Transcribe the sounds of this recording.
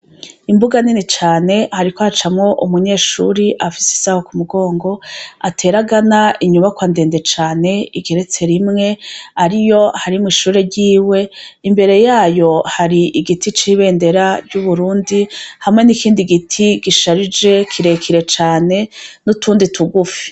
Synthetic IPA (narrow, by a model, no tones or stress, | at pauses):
imbuɡaninit͡ʃaːne̞haɾikohat͡ʃamŋo̞ʔumuɲe̞ːʃṵːɾiʔafi̥si̥saːho̞kumuɡo̞ːŋɡo̞atʰe̞ɾaɡanaiɲuβakwande̞ːnde̞t͡ʃaːne̞iɡe̞ɾe̞t͡se̞ɾimŋe̞aɾijo̞haɾimwiʃuːɾe̞ɾɟiːwe̞imbe̞ɾe̞jaːjo̞haɾiʔiɡitit͡ʃiβe̞ːnde̞ɾaɾɟuβuɾuːndihamŋe̞nikiːndiɡitʰiɡiʃaɾid͡ʒe̞kʰiɾe̞kʰiɾe̞t͡ʃaːne̞nutuːnditʰuɡufi̥